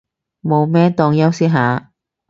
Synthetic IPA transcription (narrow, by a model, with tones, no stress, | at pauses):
mo˨˧wmɛː˥t̪ɔː˧ŋjɐ˥wsi˥ɦaː˨˧